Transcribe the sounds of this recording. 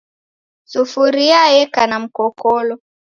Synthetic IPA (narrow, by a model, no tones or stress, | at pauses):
sufuɾiajɛkanam̩kɔkɔlɔ